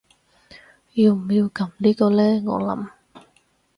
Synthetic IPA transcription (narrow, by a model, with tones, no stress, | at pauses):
ji˧wm̩˨˩jiː˧wkɐ˨˥mliː˥kɔː˧lɛː˥ŋɔ̰ː˨˧lɐ̰˨˥m